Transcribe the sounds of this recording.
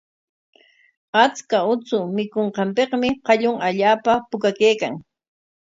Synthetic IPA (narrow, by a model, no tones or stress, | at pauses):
at͡skaʊt͡sʊmɪkoɴqɑmpeqmɪqɑʎʊŋaʎaːpapʊkakejkaŋ